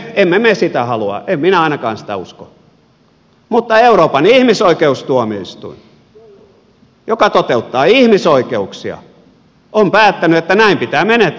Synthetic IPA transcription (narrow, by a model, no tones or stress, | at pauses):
emːemesit̪æhɑluɑ̰ʔemminæɑˑinɑkɑːnsi̥t̪æ̰usko̰ | mut̪ːɑeuroːpɑniihmisoikeust̪uɑmiist̪ṵin | jokɑt̪ot̪eut̪ːɑːihmisoikeuksiɑ̰ | ʔompæːt̪ːænyet̪ːænæimpit̪æːmenet̪